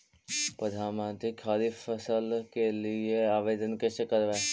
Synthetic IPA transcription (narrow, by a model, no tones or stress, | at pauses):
pəd̪ʱaːmãːnt̪ɾikʰːaːlifəsəlkelieaːʋeːd̪ənkesekəɾʋeː